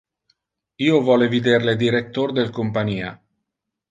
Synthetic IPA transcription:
iːovɔːlevid̪erled̪iɾet̪ːord̪elkompaɲiːa̰

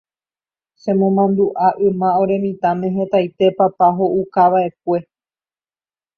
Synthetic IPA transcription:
sẽ̞mõ̞mãnd̪uʔaʔɨ̃mão̞ɾe̞mĩt̪amẽ̞ɦe̞t̪ajt̪e̞papaɦoʔukaʋaʔe̞k̚ʷe̞

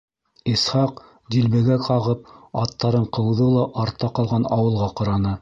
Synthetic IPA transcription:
isχɑq | d̪ilbɘ̆ɡækʰɑʁɤp̚ɑt̪ːɑɾɤɴqɤ̆wðɤlˠɑʔɑɾt̪ːɑqɑlˠʁɑnɑwɤ̆lˠʁɑqɤ̆ɾɑnɤ

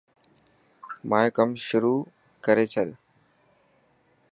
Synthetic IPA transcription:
mãːẽkəmʃʊɾuː | kəɾeːt͡ɕʰəl

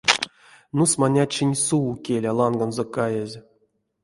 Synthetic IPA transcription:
nusmanʲat͡ʃinʲsuukʲelʲalˠanɡanzɔkajezʲ

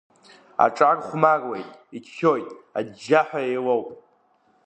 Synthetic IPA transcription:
a̰ʈ͡ʂʼarʼχʷmarwejtʼikʰkʲo̞jtʼadd͡ʒːaħʷᶣaejlowpʼ

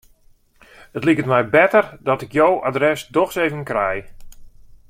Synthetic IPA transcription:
ətlikətmɛjbɛtərdɔtɪkjowadrɛsdɔxsejvənkrɛj

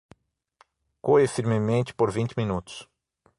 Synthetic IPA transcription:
koɪfiɾmɪmẽnt͡ʃ̪ɪ̥poɾvĩnt͡ʃɪminut̪ʊ̥s

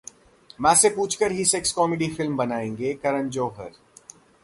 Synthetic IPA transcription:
mɛ̃ːsepuːt͡ʃʰkəɾɦiseːkskɔːmeɖifɪlmbɐnaːẽːŋɡekɐɾə̃nd͡ʒoːɦə̰ɾ

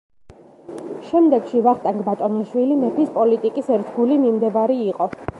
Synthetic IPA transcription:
ʃɛmd̪ɛɡʃivaχt̪ʼaŋɡbat̪ʼɔniʃwilimɛpʰispʼɔlit̪ʼikʼisɛɾt̪ʰɡulimimd̪ɛvaɾiːqʼɔ

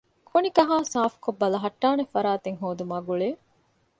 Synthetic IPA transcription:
kʰonikɐɦaːsaːfu̥kobːɐlɐɦɐʈːaːnefɐɾaːt̪eŋɦoːd̪umɐɡuɭeː

